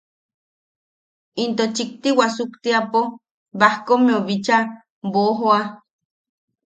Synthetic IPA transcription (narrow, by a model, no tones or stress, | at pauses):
int̪ot͡ʃik̚t̪iwasukt̪iapo | bahkomioβit͡ʃa | boɦa